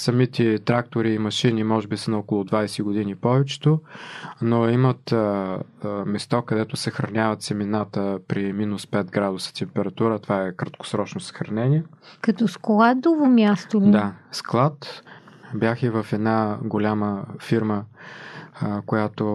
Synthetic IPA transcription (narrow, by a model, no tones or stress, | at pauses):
sɐmit̪ɛt̪ɾak̚t̪oɾiːmɐʃinimɔʒɛbisənɐokolˠʊd̪vajsɛɡod̪inipɔvɛt͡ʃɛ̥t̪onoimət̪ | mɛst̪ɔkɐd̪ɛt̪ʊsɐxɾɐnʲavət̪sɛminat̪əpɾiminʊspɛt̪ɡɾad̪ʊsə̥t̪ɛmpɛɾɐt̪uɾət̪ovaɛkɾɐt̪̚ko̥sɾɔt͡ʃnosə̥xɾɐnɛniɛkɐt̪ɔskolˠad̪ovomʲjast̪odd̪asklˠat̪ | bjaxivəfɛd̪naɡolʲaməfiɾmə | kojat̪o